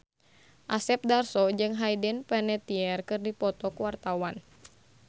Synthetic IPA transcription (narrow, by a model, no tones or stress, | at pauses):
ʔasɛp̚darsɔd͡ʒɨŋɦajdɛnpɛnɛt̪iɛrkɨrdipɔt̪ɔkuwart̪awan